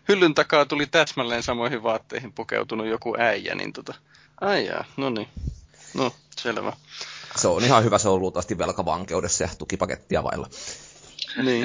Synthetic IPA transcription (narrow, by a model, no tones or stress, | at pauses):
hylːynt̪ɑkɑːt̪ulit̪æsmælːeːnsɑmoihiʋʋɑːt̪ːḛihimpukḛut̪unujjokuʔæijæ̰nḭnt̪ot̪ɑ | ʔɑijɑ̰ːnoninoselʋæseonihɑhyʋæseoluːt̪ɑʋɑst̪iʋʋelkɑʋɑ̰ŋkḛudesːɑjɑt̪ukipɑkḛt̪ːiɑ̰ʋɑ̰ilːɑ | niː